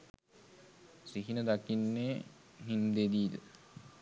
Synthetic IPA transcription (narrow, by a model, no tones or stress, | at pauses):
siɦinəd̪akinːeː | ɦind̪ed̪iːl̰